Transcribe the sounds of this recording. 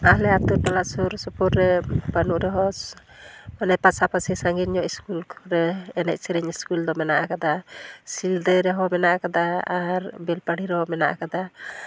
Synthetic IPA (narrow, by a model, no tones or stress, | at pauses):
alɛat̪uʈalasuɾsɔpuɾɾɛbanuʔɾɛɦɔ | manɛpasapasɛsaŋɡinɲɔʔiskulɾɛɛnɛʔ̚sɛɾɛɲiskuld̪ɔmɛnaʔakad̪asild̪ɛɾɛɦɔmɛnaʔakad̪aaɾbɛlpaɽiɾɛɦɔmɛnaʔakad̪a